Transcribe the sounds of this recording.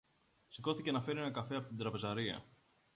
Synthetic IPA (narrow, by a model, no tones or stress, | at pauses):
siko̞θicenɐfe̞ɾienɐkɐfe̞ɐpo̞t̪ind̪ɾɐpe̞zɐɾiɐ̰